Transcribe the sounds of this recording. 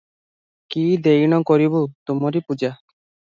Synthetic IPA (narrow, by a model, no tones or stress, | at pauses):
kid̪ejñɔkɔɾibut̪umɔɾipud͡ʒa